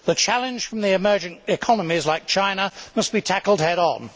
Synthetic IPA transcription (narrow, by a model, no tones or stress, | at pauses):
ðɨt͡ʃʰælˠɨ̃nʒ̥fɹʌ̃mðiɨmɜ˞d͡ʒɨ̃ntɪkʰɑnəmizlaɪk̚t͡ʃʰãɪ̃nəmʌsb̥itʰækl̩ˠd̚hɛɾn̩